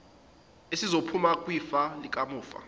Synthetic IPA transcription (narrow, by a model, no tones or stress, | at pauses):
esizopʰumakʼwiːfalik̬ʼamuːfa̰